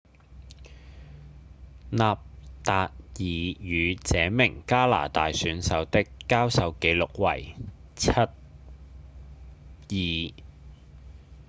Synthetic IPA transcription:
naː˨p̚t̪aː˨t̚jiː˨jyː˨˧t͡sɛː˨˧mɪ˨˩ŋkaː˥la̰ː˨˩t̪aː˨jsyː˨˥nsɐ˨˧wt̪ɪ˥kːaː˥wsɐ˨˧wke˨˧jlʊ˨k̚wɐ̰˨˩j | t͡sʰɐ˥t̚ | jiː˨

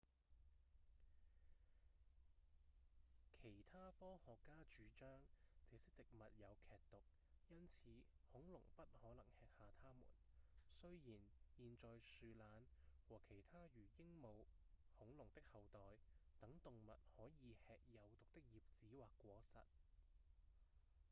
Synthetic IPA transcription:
kʰe˨˩jt̪ʰaː˥fɔː˥hɔː˨kːaː˥t͡ʃyː˨˥t͡ʃœː˥ŋt͡sɛː˨˧˥sɪ˥k̚t͡sɪ˨k̚mɐ˨t̚jɐ˨˧wkʰɛː˨k̚t̪ʊ˨k̚ | jɐ˥nt͡sʰiː˨˧˥hʊ˨˥ŋlʊ˨˩ŋpɐ˥t̚hɔː˨˥lɐ˨˩ŋhɛː˨k̚haː˨˧t̪ʰaː˥mṵː˨˩nsɵ˥ɥjiː˨˩njiː˨nt͡sɔː˨jsyː˧laː˨˧nwɔː˨˩kʰe˨˩jt̪ʰaː˥jyː˨˩jɪ˥ŋmo˨˧w | hʊ˨˥ŋlʊ˨˩ŋt̪ɪ˥k̚hɐ˨˧wt̪ɔː˨jt̪ɐ˨˥ŋt̪ʊ˨ŋmɐ̰˨t̚hɔː˨˥jiː˨˧hɛː˨k̚jɐ˨˧wt̪ʊ˨k̚t̪ɪ˥k̚jiː˨p̚t͡siː˨˥waː˨˩kːʷɔː˨˥sɐ̰˨t̚

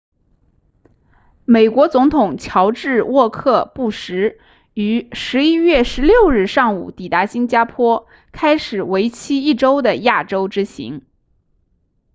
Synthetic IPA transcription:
me˨˩ɪkwɔ˧˥t͡sʊ˧˥ŋt̪ʰʊ˨˩ŋt͡ɕʰjɑ˧˥ʊʈ͡ʂɻ̩˥˧wɔ˥˧kʰɤ˥˧pu˥˩ʂɻ̩˧˥ | y˧˥ʂɻ̩˧˥i˥ɥɛ˥˩ʂɻ̩˧˥ljo˥˧ʊɻɻ̩˥˧ʂɑ˥˩ŋṵ˨˩t̪i˨˩t̪a˧˥ɕi˥nt͡ɕja˥pʰwɔ˥ | kʰa˥ɪʂɻ̩˨˩we˧˥ɪt͡ɕʰi˥i˥˩ʈ͡ʂo˥ʊd̪ə˨ja˥˩ʈ͡ʂo˥ʊʈ͡ʂɻ̩˥ɕḭ˧˥ŋ

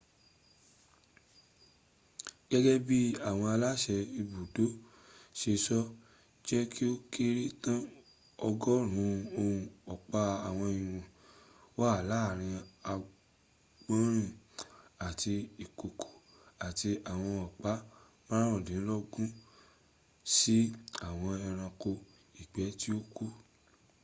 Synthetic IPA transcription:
ɡ̥ɛ˦ɡɛ˦bi˦a˦˨w̃ɔ̃˧a˧la˦ʃɛ˧i˧bu˨do˨˦ | ʃe˧sɔ˦ | d͡ʒɛ˦kʰi˦o˦kʰe˦ɾi˦tã˦ | ɔ˧ɡɔ˦ɾ̃ũ˨˦˧o˧ũ˧ɔ˨k͡pa˧a˨w̃ɔ̃˧˨ĩ˨wɔ̃˨ | wa˦˨la˨˦˨ɾ̃ĩ˧a˧ | ɡ͡bã˦ɾ̃ĩ˦˨ | a˨tʰi˧i˨ko˨kʰo̥˨ | a˨ti˧a˨w̃ɔ̃˧ɔ˨k͡pa˨˦ | mã˦ɾã˦wɔ̃˨dĩ˨˦lɔ˦ɡũ˦ | si˦a˦˨w̃ɔ̃˧ɛ˧ɾ̃ã˧ko˧ | i˨k͡pɛ˨˦ti˦o˦ku˦

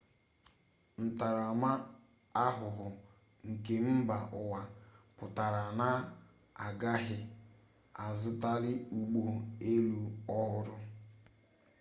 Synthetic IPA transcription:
n̩˨ta˨ɾa˨ma˦ | a˦ɦʊ˨ɦʊ˨ | ŋ̩˨ke˨m̩˦ba˨ʔʊ˨wa˨pʊ˨ta˨ɾa˨na˦ | a˨ɡa˦ɦɪ˦ | a˨zʊ˦ta˦ɾɪ˦u˨ɡ͡bo˨e˦lu˦ɔ˦ʊ˦ɾʊ˦

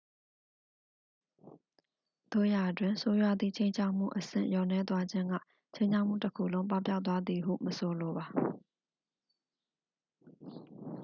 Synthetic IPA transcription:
d̪̥o̰˦˨ja˨dwɪ̃˨nso˦jwa˦˨d̪ðḭ˦˨t͡ɕʰẽ˦ɪ̃ɲt͡ɕʰa˦ʊʔm̥ṵ˦˨ʔəsɪ̰̃˦˨ʔjɔ˨nɛ˦t̪wa˦d͡ʑɪ̃˦ŋɡa̰˦˨ | t͡ɕʰẽ˦ɲt͡ɕʰa˦ʔm̥ṵ˦˨təkʰṵ˦˨lõ˦ʊ̃mp̬a˦˨p̬ja̰˦t̪wa˦d̪ði˨ɦṵ˦˨məso˨lo˨ba˨

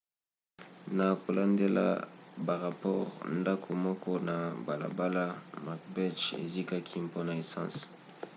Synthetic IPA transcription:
na˨ko˨la˨nde˦la̰˦˨ba˨ʁa˨pɔ˦ʁnda˦kʰo˨mɔ˦kɔ˦na˨ba˨la̰˨ba˦la˦ma˨k̚bɛ˦t͡ʃḛ˨zi˦ka˦kʰi˦mpo˦na˨e˨sɑ̰̃˦s

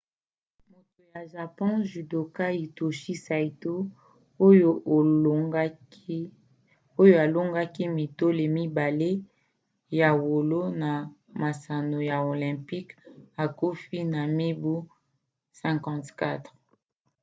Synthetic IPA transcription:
mo˨to˨ja˨ʒa˨pɔ̃˦ʒi˨do˨ka˦i˨to˨ʃi˦sa˨i˨to˦ | o˦jo˦ʔ | o˦jo˦a˨lo˦ŋɡa˦ki˦mi˨to˦le˨mi˦ba˨le˦ | ja˨wo˨lo˦na˨ma˨sa˨no˨ja˨o˨lɛ̃˨mpi˦ka˨ko˦fi˦na˨me˦bu˦ | sɛ̃˨kɑ̃˦tka˦tʁ

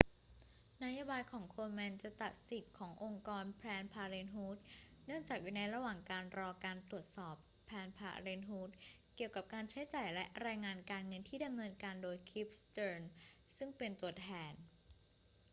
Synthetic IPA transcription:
na˦˥jaː˧baː˧jkʰɔː˩˦ŋkʰoː˧me˧˥nt͡ɕa˨˩t̪a˨˩t̪̚si˨˩t̪̚kʰɔː˩˦ŋʔo˧ŋkɔː˧npʰɾɛː˧npʰaː˧ɾeː˧nɦuː˦˥t̪̚nɯ˥˩əŋt͡ɕaː˨˩k̚juː˨˩na˧jɾa˧waː˨˩ŋkaː˧nɾɔː˧kaː˧nt̪ɾu˨˩ət̪̚sɔː˨˩pʰːɛː˧npʰa̰ː˧ɾeː˧nɦuː˦˥t̪̚ | ki˨˩əwka˨˩p̚kaː˧nt͡ɕʰa˦˥jt͡ɕaː˨˩jlɛ˦˥ʔɾaː˧jŋaː˧nkaː˧nŋɤ˧nt̪ʰiː˥˩da˧mnɤː˧nkaː˧ndoː˧jkʰi˦˥p̚st̪ɤː˧nsɯ˥˩ŋpe˧nt̪u˧ɐt̪ʰɛː˧n

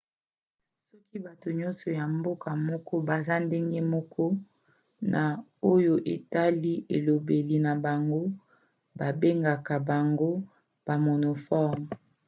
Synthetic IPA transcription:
sɔ˦ki˦ba˨to˨ɲɔ˦nsɔ˨ja˨mbo˦ka˨mɔ˦kɔ˦ba˨za˦nde˦ŋɡe˦mɔ˦kʰɔ˦ | na˨o˦jo˨ʔe˨ta˦li˦ʔe˨lo˨be˨li˨na˨ba˨ŋɡo˦ | ba˨be˦ŋɡa˨ka˨ba˨ŋɡo˦ | b̥a˨mo˨no˨fɔ˦m˨

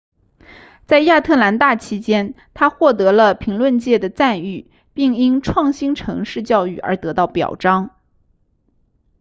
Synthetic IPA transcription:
t͡sa˥˧ɪja˥˧t̪ʰɤ˥˩la˧˥nt̪a˥˩t͡ɕʰi˥t͡ɕjɛ˥n | t̪ʰa˥xwɔ˥˩t̪̬ɤ˧˥lə˧pʰi˧˥ŋlwə˥˧nt͡ɕjɛ˥˩d̪ə˩t͡sa˥˧ny˥˩ | pi˥˩ŋi˥nʈ͡ʂʰwɑ˥˩ŋɕi˥nʈ͡ʂʰɤ̰˧˥ŋʂɻ̩˥˧t͡ɕjɑ˥˧ʊy˥˩ə̰˞˧˥t̪ɤ˧˥t̪ɑ˥˩ʊpjɑ̰˨˩ʊʈ͡ʂɑ˥ŋ

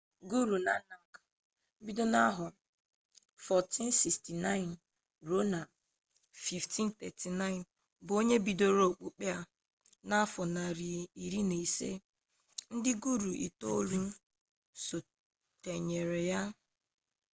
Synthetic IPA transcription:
ɡu˦ɾu˨na˨˦na˨ŋ̩˦kḁ˨ | m̩˦bi˦do˦na˦ɦʊ˨ | fɔ˨ti˦n˦si˨sti˨na˦ɪ˨n | ɾo˦na˨ | fi˨fti˦n˦t̪ɛ˨ti˨na˦ɪ˨n | bo˦ɲe˦bi˨do˦ɾo˦˨k͡pu˦k͡pe˦a˨ | na˦fɔ˨na˨ɾi˨i˨ɾi˦ne˨i˨sḛ˦ | n̩˦dɪ˦ɡu˦ɾu˨ʔḭ˨to˦ɾu˦n̩˦ | so˨ | te˨ɲe˨ɾe˨ja˦

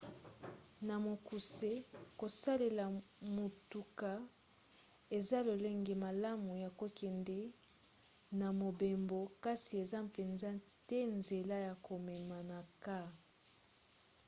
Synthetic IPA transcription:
na˨mo˨ku˨se˦ko˨sa˦le˨la˨mo˨tu˨ka˨ | e˨za˦lo˨le˦ŋɡe˨ma˨la˦mu˨ja˨ko˨kɛ˨ndɛ˦ | na˨mo˨be˨mbo˨ka˦si˨e˨za˦pe˨nza˦ | tɛ˦nze˨la˦ja˨ko˨mɛ˨ma˨na˨ka˦

